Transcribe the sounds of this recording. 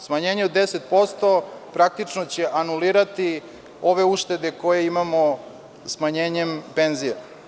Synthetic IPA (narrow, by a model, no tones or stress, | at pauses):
smaɲeːɲeud̪d̪ːeset̪̚po̞st̪o̞pɾak̚t̪it͡ʃnot͡ɕe̞ʔanuliːɾat̪i | o̞ʋe̞uʂt̪e̞d̪e̞ko̞jeimamo̞ | smaɲeːɲe̞mpe̞nzije